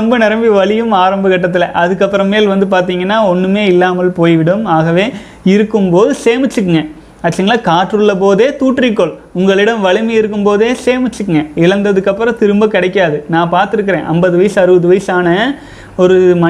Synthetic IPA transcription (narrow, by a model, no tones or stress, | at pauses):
ɔmbɐnɪɾɐmbiʋɐɭɪjɯmaːɾɐmbɐɣɐʈːɐt̪ːɪlɐʔɐðɯkːɐpːɯɾɐ̃mːeːlʋɐnd̪ɯp̬aːɾt̪̬iːŋɡɐnːaːɔnːɯmeːɪlːaːmɐlpoːjʋɪɽɯmaːɣɐʋeː | ɪɾɯkːɯmpoːðɯseːmɪt͡ʃːɯk̬ːɯŋɡɐ | ɐt͡ʃːɐŋɡɐlaːkaːʈɾɯɭːɐp̬oːðeːt̪uːʈːrikːɔɭʊŋɡɐɭɪɽɐmʋɐɻɪmɐjɪɾɯk̬ːɯmpoːðeːseːmɪt͡ʃːɯkːɯŋɡɐɪlɐnd̪ɐðɯkːɐpːɾɐ̃t̪ɪɾɯmbɐkɪɽɐɪk̬ːaːðɯnãːpaːɾt̪ɪɾɯkːɪɾḛ̃ːʔɐmbɐðɯʋɐjɪsɐɾɯʋɐðɯʋɐjɪsaːnɐ | ɔɾɯmɐ